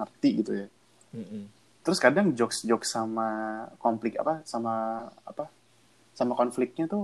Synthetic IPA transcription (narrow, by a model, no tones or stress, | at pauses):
ŋərt̪iɡit̪uja | t̪əɾʊskadaŋd͡ʒɔksd͡ʒɔk̚samakɔmplɪka̰pasamaa̰pa | samakɔnflɪk̚t̪̚ɲat̪ʊ